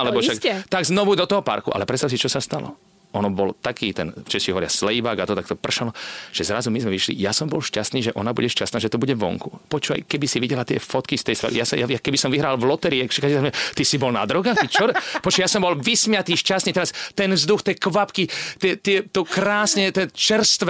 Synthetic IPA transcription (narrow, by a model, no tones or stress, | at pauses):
alɛbɔʃakt̪aɡznɔʋud̪ɔt̪ɔɦɔpa̰ɾkuʔa̰lɛpɾɛtst̪aʊs̬it͡ʃɔsast̪alɔ̰ | ɔnɔbɔlt̪akiːt̪ɛnft͡ʃɛsiɦɔʋɔɾɪa̰slɛjbaːɡat̪ɔt̪ak̚t̪ɔpr̩ʃalɔʒ̥ɛzɾazumizmɛʋiʃlḭjasɔmbɔlʃcast̪niːʒɛʔɔnabṵɟɛʃcast̪naːʒɛt̪ɔbuɟɛʋɔ̰ŋkupɔt͡ʃua̰jkɛbisiʋiɟɛlat̪ɪɛ̰fɔt̪kist̪ɛjst̪ʋɛ̰l̰jasjajakɛbisɔmʋiɦɾaːlʋlɔt̪ɛɾiɛkʃɛkaiaɛt̪isibɔlna̰d̪ɾɔɡaːxit͡ʃɔɾpɔt͡ʃujasɔmbɔlʋismɪat̪iːʃcast̪niːt̪ɛɾast̪ɛnvzd̪uxt̪ɪɛkʋapkit̪ɪɛt̪ɪɛt̪ɔkɾaːsɲɛt̪ɛt͡ʃɛrst̪ʋ